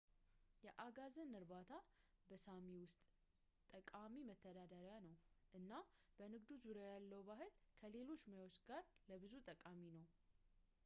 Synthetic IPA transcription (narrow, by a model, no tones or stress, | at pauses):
jɛʔaɡazənːɨɾbat̪ʰa | bəsamiwʊst̪ʼ | t̪ʼəkʼamimət̪ʰːəd̪ad̪əɾjanəwʔɨnːab̥ənɨɡd̪uzuɾjajalːəwbaɦɨlkʰəle̞lo̞t͡ʃːmajwot͡ʃɡaɾləbɨzut̪ʼəkʼaminəw